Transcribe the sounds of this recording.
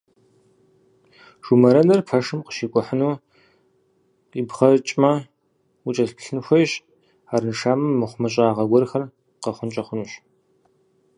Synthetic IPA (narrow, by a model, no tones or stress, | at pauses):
ʒ̥umɐɾɐnɐrpʰɐʂɨmqə̥ʃiːkʷʼɔħənuː | ibχɐt͡ʃʼmɐ | ut͡ʃʼɐɬpʰɬɨnxʷɐjɕ | aːɾɨnʂaːmɨmːɨχʷʊmɐɕʼaːʁɐɡʷɔrxɐr | qɐχʷʊnt͡ʃʼɐχʷʊnuːɕ